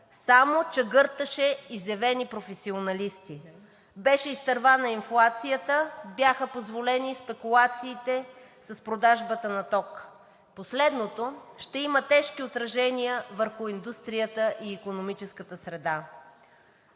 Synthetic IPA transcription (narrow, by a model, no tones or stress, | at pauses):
samot͡ʃɛɡɤɾt̪əʃɛizɛvɛnipɾofɛsionɐlist̪i | bɛʃɛist̪ɐɾvanɐinflˠat̪sijət̪əbjaxəpozvolɛnispɛkulˠat̪siːt̪ɛ | sɐspɾod̪aʒbət̪ənɐt̪ɔk | poslɛd̪not̪oʃt̪ɛimət̪ɛʃkiot̪ɾɐʒɛnijəvəɾxʊind̪ust̪ɾijət̪əʔiːkonomit͡ʃɛskət̪əsɾɛd̪a